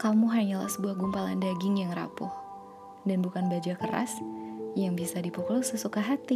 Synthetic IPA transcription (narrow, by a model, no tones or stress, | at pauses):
kamuɦaɲala̰hsəbuahɡumpalandaɡɪŋjaŋra̰pɔh | danbukanbad͡ʒakəɾa̰sjaŋbisadipɔklusəsukaɦat̪i